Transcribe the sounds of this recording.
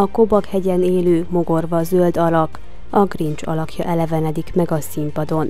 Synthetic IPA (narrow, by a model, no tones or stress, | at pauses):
ɒko̞bɒkhɛɟɛneːløːmo̞ɡo̞rvɒzøld̪ɒlɒk | ɒɡrint͡ʃɒ̰lɒkjɒ̰ʔɛlɛvɛnɛd̪ikmɛɡɒsimpɒd̪o̞n